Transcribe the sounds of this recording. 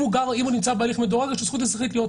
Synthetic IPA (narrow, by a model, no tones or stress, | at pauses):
uɡaʁimunimt͡sabealiχmed̪oʁaɡaʃesχut̪̬has̬ʁiχit̪lijot